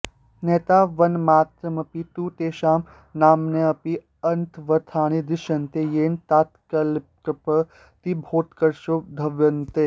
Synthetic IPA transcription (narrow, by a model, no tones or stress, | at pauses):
neːt̪aːʋɐnmaːt̪ɾɐmɐpit̪uːt̪eːʃaːm | naːmneɐpi | ɐnt̪ʰʋɐt̪ʰaːɽ̃id̪iʃɐnt̪eːjeːnt̪aːt̪kɐlp̚kɐpɐ | t̪ibʱoːt̪kɐɾʃod̪ʱɐʋjɐnt̪eː